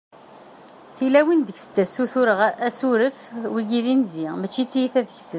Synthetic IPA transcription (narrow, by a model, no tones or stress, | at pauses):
θilæwind̪əçsə̥t̪ːæsuθʊɾəʁæsuɾəfwiɡiðinzimæt͡ʃːit͡sːijiθæðəçsən